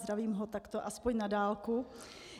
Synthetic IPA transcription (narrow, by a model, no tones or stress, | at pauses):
d̪ɾaviːmɦot̪akt̪oʔaspoɲnadaːlku